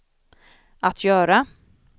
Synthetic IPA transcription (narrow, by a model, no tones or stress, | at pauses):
ʔat̪ʰjœːɾa